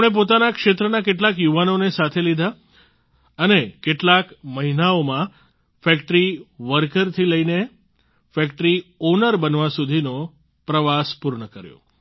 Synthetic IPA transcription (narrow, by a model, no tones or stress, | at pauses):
ɽ̃ep̬ot̪anakʃet̪ɾənakeʈ̬lakjuʋanonesat̪ʰelid̪ʱa | ənekeʈlakməɦinaomã | fɛkʈɾiʋəɾkəɾt̪ʰiləine | fɛkʈɾiɔnəɾbənʋasud̪ʱino | pɾəʋaspuɾɳəkəɾjõ̰